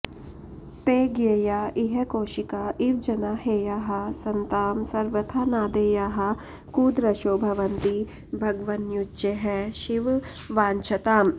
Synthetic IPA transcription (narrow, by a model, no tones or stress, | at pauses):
t̪eːɡejaːiɦekoːʃikaːiʋd͡ʒɐnaːɦeːjaːɦɐsɐnt̪aːmsɐɾʋɐt̪ʰanaːd̪eːjaːɦɐ | kuːd̪ɾɐʃoːbʱɐʋɐnt̪i | bʱɐɡʋɐnjut͡ʃeɦɛʃiʋ | ʋaːnt͡ʃʰɐt̪aːm